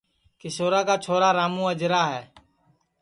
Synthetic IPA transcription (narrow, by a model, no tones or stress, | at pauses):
kɪʃoːɾaːkaːt͡ʃʰoːɾaːɾaːmũːəd͡ʒɾaːɦɛː